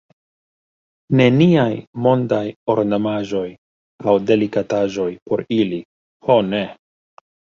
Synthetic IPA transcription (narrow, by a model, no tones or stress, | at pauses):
ne̞niajmo̞ndajoɾnamaʒo̞j | awde̞likataʒo̞jpo̞ɾili | hone